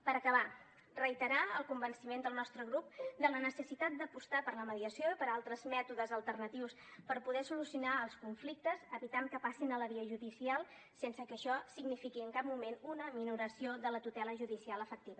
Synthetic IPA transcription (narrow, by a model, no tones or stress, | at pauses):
pəɾəkəβa | rəjt̪əɾaəlˠkumbənsimend̪əlˠnɔst̪ɾəɣ̞ɾup̚d̪ələnəsəsit̪at̪̚d̪əpust̪apəɾləməðiəsioipəɾalˠt̪ɾəzmɛt̪uðəzəlˠt̪ərnət̪iws | pəɾpuðɛsulusiunaəlˠskuɱflik̚t̪əzəβit̪aŋkəpasinələβiəʒuðisialˠ | sensəkəʃɔsiɡnifikiəŋkap̚mumenunəminuɾəsioðələt̪ut̪ɛləʒuðisialˠəfək̚t̪iβə